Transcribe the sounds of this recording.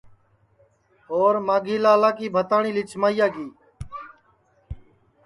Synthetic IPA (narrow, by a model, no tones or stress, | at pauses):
oːɾmaːɡʱiːlaːlaːkiːbʱət̪aːɳiːlɪt͡ʃmaːijaːɡiː